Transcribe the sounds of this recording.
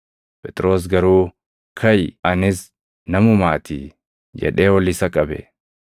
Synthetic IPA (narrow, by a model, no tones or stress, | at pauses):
pɛt̪ʼɾo̞ːs̬ɡɐɾuː | kʰɐjɐnɪs | nɐmʊmaːt̪ʰḭː | d͡ʒɛ̰ᶑe̞ːwɐlːɪːsɐkʼɐbɛ̰